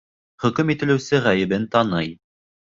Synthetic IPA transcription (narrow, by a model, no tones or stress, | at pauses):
χɵ̆kɵmit̪ɘ̆lɘ̆wsɘʁæjɘ̆bɘnt̪ɑnɤj